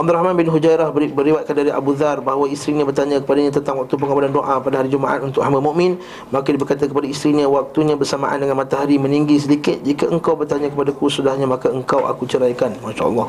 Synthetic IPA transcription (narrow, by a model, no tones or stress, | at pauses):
ʔab̚d̪uɾahmãnbɪnɦud͡ʒajɾahbəɾiwat̪̚kandaɾiʔa̰buðarbaɦwaist̪ɾiɲãbərt̪aɲãkə̥padaɲãt̪ənt̪aŋwak̚t̪up̬əŋabalandoʔapadaɦaɾid͡ʒumaʔa̰t̪unt̪ʊkhamamuʔmɪ̃n | makadibərkat̪̬akəpadaist̪ɾiɲãwak̚t̪uɲãbərsama̰ʔa̰ndəŋanmat̪aɦaɾimə̃niŋɡis̬ədikɪt̪̚d͡ʒikaʔəŋkawbərt̪aɲãkəpadakusudahɲamakaəŋkawʔa̰kut͡ʃəɾajkanmanʃa̰ʔlˠːɑh